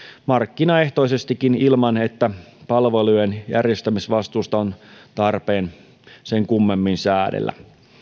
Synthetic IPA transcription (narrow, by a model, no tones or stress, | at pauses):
mɑrkːinɑeht̪oisest̪ikːinilmɑne̞t̪ːæpɑlʋelujenjærjest̪æmisʋɑst̪uːst̪ɑont̪ɑrpeːn | seŋkumːe̞mːinsæːdḛlːæ̰